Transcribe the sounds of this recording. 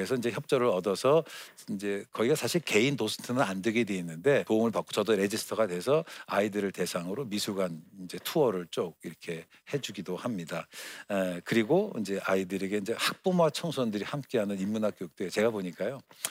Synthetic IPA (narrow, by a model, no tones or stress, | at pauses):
esʰʌind͡ʑe̞çjʌp̚t͡ɕ͈ʌɾɯɾʌdʌsʰʌ | ind͡ʑe̞kʌiɡasʰaɕʰiɭke̞indosʰɯ̥tʰɯnɯnandɯɡedwe̞inːɯnde̞toŋɯɭpak͈ot͡ɕʌdoɾe̞d͡ʑisʰɯ̥tʰʌɡadwe̞sʰʌaidɯɾɯɭte̞sʰaŋɯɾomisʰuɡanind͡ʑe̞tʰuʌɾɯɭt͡ɕ͈oɡ̚iɾʌkʰe̞ | he̞d͡ʑuɡidohamɲida | kɯɾiɡoind͡ʑe̞ʔaidɯɾe̞ɡe̞ind͡ʑe̞hak̚p͈umwat͡ɕʰʌŋsʰʌndɯɾihamk͈e̞ɦanɯnimːunɦak̚k͈jok̚t͈we̞jot͡ɕe̞ɡaboɲik͈ajo